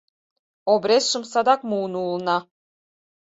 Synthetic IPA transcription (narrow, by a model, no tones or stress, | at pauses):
obɾʲesʃɤ̆msɑd̪ɑkmuːnulˠnɑ